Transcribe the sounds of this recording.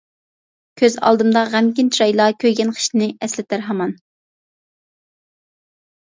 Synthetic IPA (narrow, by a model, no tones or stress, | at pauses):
kʲʰøzɑ̰lˠd̪ɨmd̪ɑʁæmkʲint͡ʃʰiɾɑjlˠɑkʲʰøjɡʲɛnqʰə̥ʃnɪɛslɪt̪ʰæɾɦɑmɑn